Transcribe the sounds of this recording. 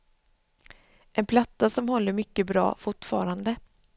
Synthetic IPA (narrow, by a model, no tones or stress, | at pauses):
ʔɛnpʰlat̪ːasɔmhɔlːəɾmʏkːəbɾɑ̰ːfʊʈfɑːɾand̪ə